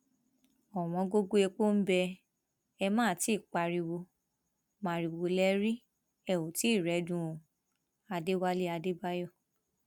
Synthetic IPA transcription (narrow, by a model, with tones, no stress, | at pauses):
ɔ˨w̃ɔ̃˨˧ɡo˦ɡo˦e˧k͡po˦m̩˦bɛ˧ | ɛ˧mãː˦˨ti˨˦˨k͡pa˧ɾi˧wo˧ | mã˨ɾi˨wo˧lɛ˦ɾi˦ | ɛ˦˨wo˨ti˨˦i˦˨ɾɛ˨˦dũ˧˨ | a˧de˦wa˦le˦a˧de˦ba˦jɔ˦˨